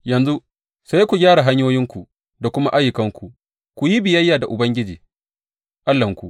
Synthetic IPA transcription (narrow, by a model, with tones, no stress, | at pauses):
jɐ˨nzu˦ | sa˦jkʷu˨ɡʲaː˦ɽa˨ɦa˦ɲjoː˦jɪ˦ŋkʷu˨ʔ | da˨kʷʊ˦ma˦ʔa˦jʊ˨kɐ˦ŋkʷu˨ʔ | kʷu˨ji˦bɪ˨jɐ˦jːaː˨da˨ʔʊ˨bɐ˦ŋɡʲɪ˦d͡ʒiː˨ | ʔa˦lːɐ˨ŋkʷu˨ʔ